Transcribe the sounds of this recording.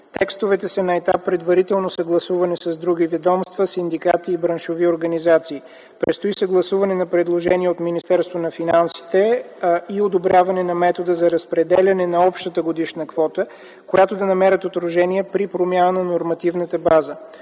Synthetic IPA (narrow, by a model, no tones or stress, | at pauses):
t̪ɛkst̪ovɛt̪ɛsənɐɛt̪apːɾɛd̪vɐɾit̪ɛlˠnosɐɡlˠɐsuvɐnɛsɐzd̪ɾuɡ̟ivɛd̪ɔmst̪vəsind̪ikat̪iːbɾɐnʃovioɾɡɐnizat̪siː | pɾɛt̪st̪oisəɡlˠɐsuvɐnɛnɐpɾɛd̪lˠoʒɛniɛot̪minist̪ɛɾst̪vonɐfinansi̥t̪ɛ | iod̪obɾʲjavɐnɛnɐmɛt̪od̪əzɐɾɐspɾɛd̪ɛlʲɐnɛnɐɔpʃt̪ət̪əɡod̪iʃnəkv̥ɔt̪ə | kojat̪od̪ɐnɐmɛɾət̪ot̪ɾoʒɛniɛpɾipɾomʲjanənɐnoɾmɐt̪ivnət̪əbazə